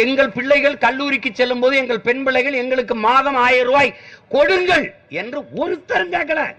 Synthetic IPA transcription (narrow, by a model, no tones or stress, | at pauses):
ɛŋɡɐɭpɪɭːɐɪɣɐɭkɐɭːuːɾɪkːɯt͡ʃːɛlːɯmpoːðɯɛŋɡɐɭpɛnbɪɭːɐɪɣɐɭɛŋɡɐɭɯkːɯmaːðɐmaːjɐɾɯʋaːjkɔɽɯŋɡɐɭɛndrɯɔnst̪ːɐɾɐɲd͡ʒaːk̬ːɐɭaː